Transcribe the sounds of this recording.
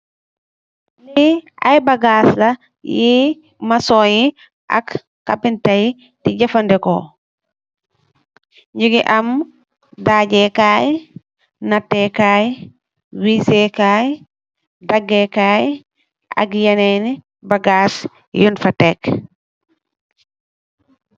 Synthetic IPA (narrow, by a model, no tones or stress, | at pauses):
nia̰jbaɡaːsla | ji | masɔːɲi | ʔa̰kː | apintaj | tiɟɐfandɛkɔ | ɲd͡ʒuɡiʔam | daːɟɛkaːj | natːɛkaːj | wisɛkaːj | daɡːɛkaːj | ʔa̰kjanɛni | baɡas | junfatɛk